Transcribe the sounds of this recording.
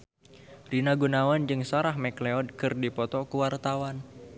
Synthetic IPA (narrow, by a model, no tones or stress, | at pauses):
rinaɡunawand͡ʒɨŋsaɾaɦmɛkleɔd̚kɨrdipɔt̪ɔkuwart̪awan